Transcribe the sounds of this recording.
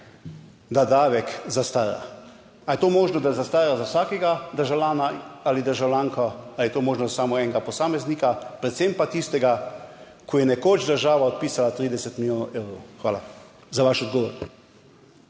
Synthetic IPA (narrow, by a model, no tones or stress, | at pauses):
d̪ad̪aːʋɛkzast̪aːɾa̰ | ajɛt̪oːmoːʒnɔd̪azast̪aːɾazawsaːkɛɡad̪əɾʒawlʲaːnaalid̪əɾʒawlʲjaːŋkʰɔaljɛt̪oːmoːʒnɔzasaːmɔɛŋɡapɔsaːmɛznikapɾɛt̪sempat̪ist̪ɛɡa | kʰɔjɛnɛkot͡ʃd̪əɾʒaːʋaɔt̪̚piːsalat̪ɾid̪ɛsɛt̪miljoːnɔwʔewɾo̰wxʋaːla̰ | zaʋaʃɔd̪ɡɔʋɔɾ